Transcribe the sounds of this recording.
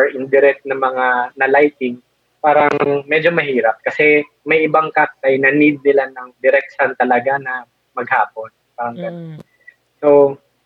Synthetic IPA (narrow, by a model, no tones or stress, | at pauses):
ɹʔɪnd̪ɪɾɛk̚t̪̚nɐŋmɐŋanɐlajt̪ɪŋ | paːɾɐŋŋmɛd͡ʒo̞mɐɦiːɾɐp̚kɐsɛ | mɐjʔɪbaŋkat̪̚ɐjnɐnɪd̪̚nɪlanɐŋd̪ɪɾɛk̚sɐnt̪ɐlɐɡanɐ | mɐɡ̚haːpo̞npaɾɐŋɡɐnon | so